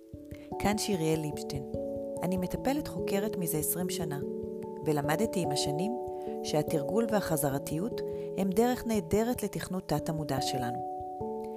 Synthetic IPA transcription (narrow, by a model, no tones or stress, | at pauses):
kʰanʃiʁijelipʃtenanime̞tape̞letχo̞keʁetmize̞esʁimʃanavelamadtiːmhaʃanim | ʃeatiʁɡulvehaχazaʁatijut | he̞mde̞ʁe̞χne̞ːde̞ʁetle̞tiχnutːatamudaʃe̞lanu